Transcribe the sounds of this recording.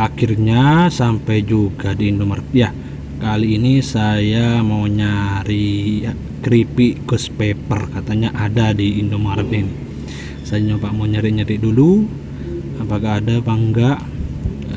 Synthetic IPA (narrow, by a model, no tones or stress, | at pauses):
akirɲasampajd͡ʒuɡadiːndomarja | kaliːnisajamauɲaɾi | kɾipiʔkɔspepərkat̪aɲaʔadadiːndomardɛn | sajaɲopaʔmauɲaɾiɲaɾiʔdulu | apakaːdapaŋɡaʔ